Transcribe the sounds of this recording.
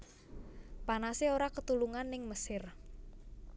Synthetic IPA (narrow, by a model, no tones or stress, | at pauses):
panaseoɾakət̪uluŋanːɪŋməsɪr